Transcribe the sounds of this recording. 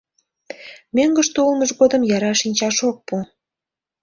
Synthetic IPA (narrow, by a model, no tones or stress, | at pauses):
møŋɡəʃt̪oulməʒɣod̪əmjɑɾɑʃinʲt͡ɕɑʃok̚pu